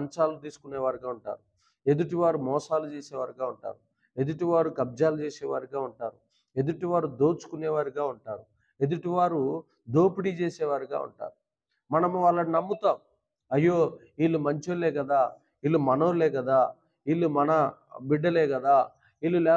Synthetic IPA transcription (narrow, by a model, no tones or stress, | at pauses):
ɲt͡ʃaːlut̪iːsu̥kuneːʋaːɾiɡaːuɳʈa̰ːɾu | e̞d̪uʈiʋaːɾumɔːsaːlut͡ʃeːseːʋaːɾiɡaːuɳʈa̰ːɾu | e̞d̪uʈiʋaːɾukɐb̚d͡ʒaːlut͡ʃeːseːʋaːɾiɡaːuɳʈa̰ːɾu | e̞d̪uʈiʋaːɾud̪oːt͡ʃu̥kuneːʋaːɾiɡaːuɳʈa̰ːɾu | e̞d̪uʈiʋaːɾu | d̪o̞ːpiɽit͡ʃeːseːʋaːɾiɡa̰ːṵɳʈa̰ːɾu | mɐnɐmuʋaːɭːɐninɐmːut̪aːmu | ɐjːoː | iːlːumɐɲt͡ʃoːleːɡɐd̪aː | iːlːumɐnoːleːɡɐd̪aː | iːlːumɐnɐbiɖːɐleːɡɐd̪aː | iːlːulɛː